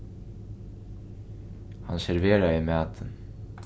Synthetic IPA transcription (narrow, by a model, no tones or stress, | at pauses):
hɑ̰nsɛɾʋeːɹaimæːt̪ʰən